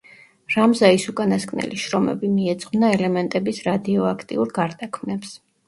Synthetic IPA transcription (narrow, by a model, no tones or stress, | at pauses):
ɾamzaisukʼanaskʼnɛ̰liʃɾɔmɛ̰bimiɛt̪sʼqʼvnaɛlɛmɛnt̪ʼɛbisɾad̪iɔakʰt̪ʼḭuɾɡaɾd̪akʰmnɛps